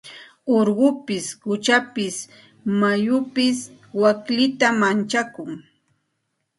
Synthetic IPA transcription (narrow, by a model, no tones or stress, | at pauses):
oɾɢʊpɪsɢʊt͡ʃapɪs | majʊpɪs | waklɪt̪amant͡ʃakʊŋ